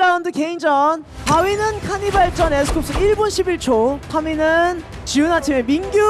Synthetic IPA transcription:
ɾaundɯke̞ind͡ʑʌn | awinɯnkʰaɲibaɭt͡ɕ͈ʌnesʰɯ̥kʰop̚s͈ɯiɭbonɕʰibiɭt͡ɕʰokʰaminɯn | t͡ɕiunatʰime̞minɡju

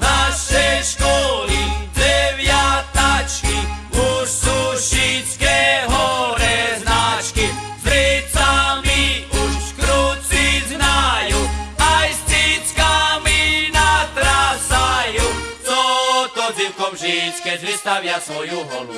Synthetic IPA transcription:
naʃɛjʃkɔlid̪ɾɛʋjat̪at͡ʃkiuʃsuʃit͡skɛɦɔɾɛznat͡ʃkizɾɛt͡samiuʃkɾut͡siznajuajst̪it͡skaminat̪ɾasajuːt͡sɔt̪ɔziwkɔmʒit͡skɛɾist̪aʋɪjasʋɔjuɦɔ̰lṵ

